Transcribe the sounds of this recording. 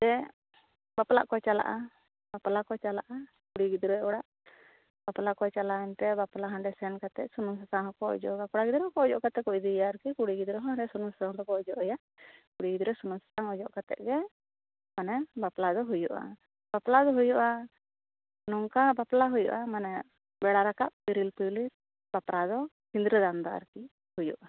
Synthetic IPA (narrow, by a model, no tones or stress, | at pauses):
d̪ɛ | bapla̰ʔkɔt͡ʃala̰ʔa | baplakɔt͡ʃalaʔa | kuɽiɡid̪ɾɔɔɽaʔ | baplakɔt͡ʃalaɛnt̪ɛbaplaɦãɳɖɛsɛnkat̪ɛʔsunusat̪aŋɦɔkɔɔ̰d͡ʒɔ̰ʔɡakɔɽaɡid̪ɾɛɦɔkɔɔd͡ʒɔʔkat̪ɛkɔʔd̪ijaɾkikuɽiɡid̪ɾɔɦɔɾɛsunusat̪aŋkɔkɔɔd͡ʒɔʔɛja | kuɽiɡid̪ɾɛsunusḁt̪aŋɔd͡ʒɔʔkat̪ɛ̰ʔɡɛ | manɛbaplad̪ɔɦujuʔa̰ | baplad̪ɔɦujuʔa | nɔŋkabaplaɦujṵʔamanɛ | bɛɽaɾakaʔ̚biɾilpuli | b̥apɾad̪ɔ | hind̪ɾəd̪and̪aa̰ɾki | hujṵʔa